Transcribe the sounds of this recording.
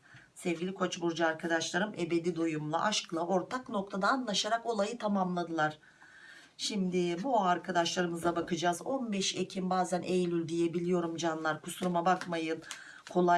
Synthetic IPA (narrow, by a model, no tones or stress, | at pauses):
sɛvɡʲilʲikʰo̞t͡ʃbuɾd͡ʒaːɾkʰad̪aʃlˠaɾɯmʔe̞be̞d̪id̪ojumlˠa̰ʔaʃklˠaʔo̞ɾt̪ʰakno̞kt̪ʰad̪aːnlˠaʃaɾako̞lˠajɯt̪ʰamamlˠad̪ɯlˠaɾ̥ | ʃimd̪ɪbuaɾkʰad̪aʃlˠaɾɯmɯzabakɯd͡ʒaːzo̞nbɛʃe̞cʰimbaːzænʔejlʲylʲd̪ijebilʲijo̞ɾumd͡ʒanlˠaɾkʰusuɾumabakmajɯn | kʰo̞lˠa